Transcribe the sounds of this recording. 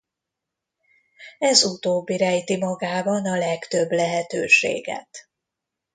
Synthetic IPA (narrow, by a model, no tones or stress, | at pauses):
ɛzut̪oːbːiɾɛjt̪imɒɡaːbɒnɒlɛkt̪ø̞blɛɦɛt̪øːʃḛːɡɛ̰t̪